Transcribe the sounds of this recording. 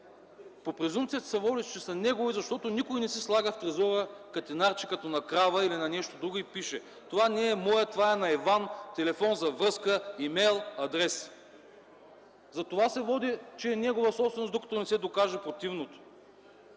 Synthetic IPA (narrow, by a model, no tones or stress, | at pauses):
popɾɛzumpt̪sijət̪ɐ̥sɛvɔd̪it͡ʃɛsɐnɛɡovizɐʃt̪ɔt̪onikojnɛsislˠaɡəft̪ɾɛzɔɾəkɐt̪ɛnaɾt͡ʃi̥kɐt̪onɐkɾavəilinɐnɛʃt̪od̪ɾuɡʊipiʃɛ | t̪ovanɛːmɔjət̪vaɛnɐɛvant̪ɛlɛfɔnzɐvɾɤskəimɛjlˠɐd̪ɾɛs | zɐt̪ovasɛvɔd̪it͡ʃɛːnɛɡovəsɔpst̪vɛnosd̪okɐ̥t̪onɛsɛd̪okaʒɛpɾot̪ivnot̪o̥